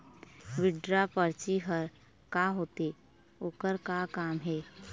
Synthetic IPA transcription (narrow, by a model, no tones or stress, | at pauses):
ʋɪɖɾapəɾt͡ʃiɦəɾ | kaɦoːt̪e | oːkəɾkakaːmɦɛː